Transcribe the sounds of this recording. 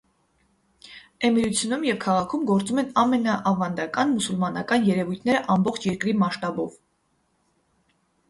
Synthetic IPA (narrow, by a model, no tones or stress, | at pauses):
ɛmiɾut͡sʰjunumjɛvkʰɑʁɑkʰumɡɔɾt͡sumɛnɑmɛnɑʔɑvɑnd̪ɑkɑnmusulmɑnɑkɑnjɛɾɛvujt̪ʰnɛɾəʔɑmbɔχt͡ʃʰjɛɾkɾimɑʃt̪ɑbɔv